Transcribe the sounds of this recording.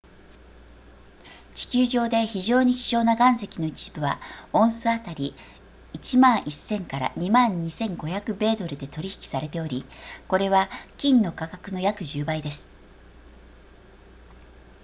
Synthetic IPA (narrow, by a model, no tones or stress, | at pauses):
t͡ɕi̥kʲɨːʑo̞ːd̪e̞çiʑo̞ːɲ̟içʲi̥ɕo̞ːnaɡãɰ̃se̞kʲino̞it͡ɕi̥b̥ɯ̟βaõ̞ɰ̃sɨat̪aɾʲiː | t͡ɕimãɰ̃ʔisːẽ̞ŋkaɾa̰ɲ̟imãɲ̟ɲ̟isẽ̞ŋɡo̞çakɯ̟be̞ːd̪o̞ɾɯ̟d̪e̞t̪o̞ɾʲiçi̥kʲi̥saɾe̞t̪e̞o̞ɾʲiko̞ɾe̞βakʲĩnnːo̞kakakɯ̟no̞jakɯ̟ʑɨːbaid̪e̞sɨ̥